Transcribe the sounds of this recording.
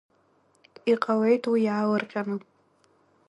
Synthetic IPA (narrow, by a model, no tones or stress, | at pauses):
iqʼawe̞jtʰwijaːlɨrqʲʼanɨ